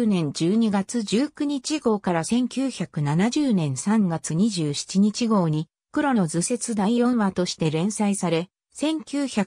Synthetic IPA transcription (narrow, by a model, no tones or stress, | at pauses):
nẽ̞ɲ̟d͡ʑɨːɲ̟iɡat͡sɨʑɨːkɯ̟ɲ̟it͡ɕiɡo̞ːkaɾasẽ̞ŋkʲɨːçakɯ̟nanaʑɨːnẽ̞ɰ̃sãŋɡat͡sɨɲ̟iʑɨːɕi̥t͡ɕiɲ̟it͡ɕiɡo̞ːɲ̟i | kɯɾo̞no̞zɨse̞t͡sɨd̪aiõ̞ɰ̃βat̪o̞ɕi̥t̪e̞ɾẽ̞ɰ̃saisaɾe̞ | sẽ̞ŋkʲɨːça